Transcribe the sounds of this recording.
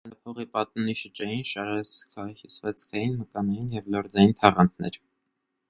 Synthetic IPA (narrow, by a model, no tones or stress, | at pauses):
nɑpʰɔʁipɑt̪̚nuniʃət͡ʃɑjinʃɑɾɛt͡skʰɑhjusvɛt͡sʰkʰɑjinməkɑnɑjinjɛvlɔɾd͡zɑjint̪ʰɑʁɑnt̪ʰnɛ̰ɾ